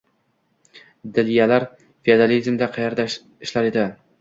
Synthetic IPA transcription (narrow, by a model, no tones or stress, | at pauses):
d̪ɪlijalaɾ | fiad̪alizmd̪aqʰɑjaɾd̪a | ɪʃlaɾed̪ɪ